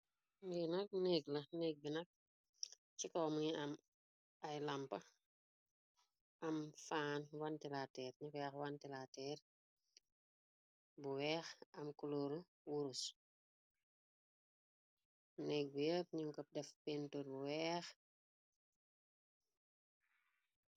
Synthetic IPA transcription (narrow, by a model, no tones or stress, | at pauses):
ɡinɐk̚nɛːɡlɐnɛːɡ̚binɐk̚ | t͡ʃikɔːmuŋiɐm | ɐjlɐmpɐ | ʔɐmfaːnwantilatɛːɾɲikjɛxwantilatɛːr | buwɛːxɐmkuloːɾu | wuɾus | nɛːk̚bujəp̚ɲiŋkɔp̚dɛfpɛntoːɾbuwɛːx